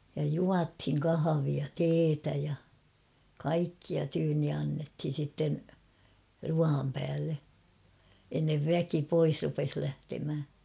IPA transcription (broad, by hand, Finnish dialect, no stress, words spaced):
jɑ juɑthiŋ kɑhɑʋiɑ teːtæ jɑ kɑikːiɑ tyːnːi ɑnːethin̞ sitːen ruɑːm pæːlːe enːeʋ ʋæki pois rupes læhtemhæ